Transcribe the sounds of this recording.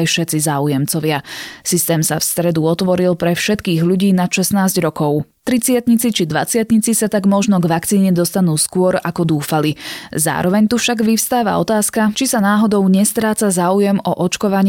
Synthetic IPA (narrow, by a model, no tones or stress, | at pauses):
jfʃɛt͡sizaːujɛmt͡sɔʋɪasist̪ɛːmsa̰fst̪ɾɛd̪uɔt̪ʋɔɾilpɾɛfʃɛt̪kiːɣʎuɟiːnaʃɛsnaːzɟɾɔkɔʊt̪ɾit͡sɪat̪ɲit͡sit͡ʃid̪ʋa̰t͡sɪat̪ɲit͡sisat̪aɡmɔʒnɔɡʋakt͡siːɲɛd̪ɔst̪anuːskʊɔɾa̰kɔd̪uːfaliza̰ːɾɔʋɛɲt̪ufʃaɡʋifst̪aːʋa̰ɔ̰t̪aːskat͡ʃisanaːɦɔd̪ɔʊɲɛst̪ɾaːt͡sazaːujɛmɔʔɔt͡ʃkɔʋaɲ